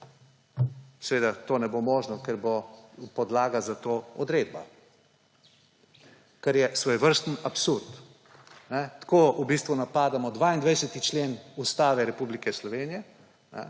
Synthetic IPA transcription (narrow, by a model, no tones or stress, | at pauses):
sɛʋeːd̪at̪oːnɛbomoːʒnɔkɛɾbopɔd̪laːɡazat̪oːɔd̪ɾeːd̪ba | kɛɾjɛsʋoːjʋəɾst̪ənapsuɾt̪ | nɛt̪koːubist̪ʋunapaːd̪amɔd̪ʋaːind̪ʋɛjsɛt̪it͡ʃleːnust̪aːʋɛɾɛpublikɛslɔʋeːnijɛ | nʔɛ̰